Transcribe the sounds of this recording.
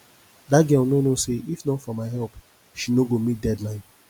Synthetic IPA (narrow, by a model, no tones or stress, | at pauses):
daɡɛnonoseʔifnɔ̃fɔmaɪɦɛlp | ʃinoɡomit̚dɛdlãɪ̃n